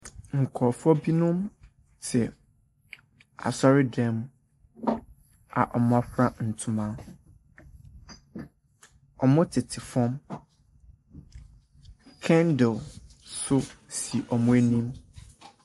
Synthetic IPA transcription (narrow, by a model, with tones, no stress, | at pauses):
ŋ̩˨kʰɔ˨fɔ˦bi˦nʊ̃˦m | tʰɪ˨ | a̰˨sɔ˦ɾɪ˦dɛ̃˦m | a̰˨ʔɔ˨m˦a˦ɸɾa˦n̩˨tʰũ˨mã˦ | ɔ˨mʊ̃˦tʰɪ˨tʰɪ˨fɔ̃˦m | kʰɛ̃˦ndɪ˨lsʊ˦si˨ʔɔ˨mʊ̃˦æ˦nĩ˦m